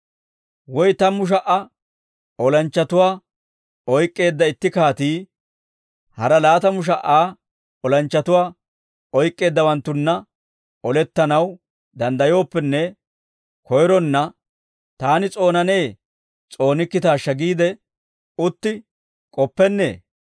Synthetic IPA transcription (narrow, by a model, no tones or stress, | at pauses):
wɔjt̪ɐmʊʃ̬ɐʔɐ | ɔlɐnt͡ʃːɐt̪ʊwaː | ɔjkʼːe̞ːd̪ːɐɪt̪ːɪkaːt̪iː | hɐɾɐlaːt̪ɐmʊʃ̬ɐʔaː | ɔlɐnt͡ʃːɐt̪ʊwaː | ɔjkʼːe̞ːd̪ːɐwɐnt̪ːʊnːɐ | ɔlɛt̪ːɐnɐw | d̪ɐnd̪ɐjo̞ːpːɛnːɛ | kɔjɾɔnːɐ | t̪aːnɪt͡sʼo̞ːnɐne̞ː | t͡sʼo̞ːnɪkːɪt̪aːʃːɐɡiːd̪ɛ | ʊt̪ːɪ | kʼɔpːɛnːe̞̰ː